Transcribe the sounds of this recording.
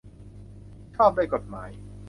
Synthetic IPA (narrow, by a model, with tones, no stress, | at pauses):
t̪ʰɔː˥˩p̚daː˥˩jko˨t̪̚maː˩˦j